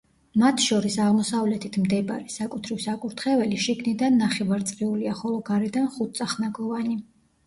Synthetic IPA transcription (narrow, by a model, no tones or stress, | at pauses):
mat̪ʰʃɔɾisaʁmɔsavlɛt̪ʰit̪ʰmd̪ɛbaɾisakʼut̪ʰɾifsakʼuɾt̪ʰχɛvɛliʃiɡnid̪anːaχɛvaɾt̪sʼqiuliaχɔlˠɔɡaɾɛd̪anχut̪̚t̪sʼaχnaɡɔvani